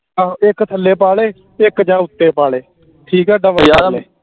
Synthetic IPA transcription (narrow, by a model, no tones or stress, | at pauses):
ãːɪkt̪ʰəlːeːpaːɭeː | ɪkd͡ʒãːʊt̪ːeːpaːɭeː | ʈʰiːkɛːɖə̃ʋleː